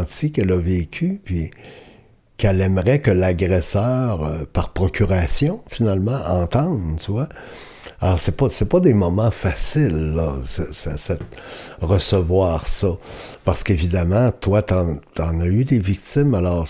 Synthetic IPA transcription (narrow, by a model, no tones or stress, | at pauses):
t͡s̪ikɛləveːkʲʰypɥi | kɛlɛmʁɛkəlaɡʁɛsœːʁəpaʁpʁɔkʲyʁasjɔ̃finalmɑ̃ʔɑ̃ːt̪ɑ̃d̪t̪yvwa | alɔːʁsɛpʌsɛpʌd̪emɔmɑ̃fasɪlːɔsɛsɛsɛt̪̚ʁəsəvwaːʁsʌpaʁsə̥kevid̪amɑ̃t̪wat̪ɑ̃t̪ɑ̃nayd̪evik̚t̪ɪmalɔːʁ